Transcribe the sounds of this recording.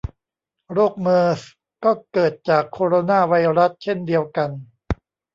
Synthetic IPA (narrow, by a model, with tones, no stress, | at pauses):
ɾoː˥˩k̚mɤː˧s | kɔː˥˩kɤː˨˩t̪̚t͡ɕaː˨˩kʰːoː˧ɾoː˧naː˥˩wa˧jɾa˦˥s̚t͡ɕʰe˥˩ndi˧əwka˧n